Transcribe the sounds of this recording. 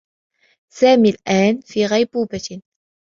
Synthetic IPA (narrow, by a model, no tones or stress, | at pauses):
saːmiːlʔaːnfiːɣajbuːba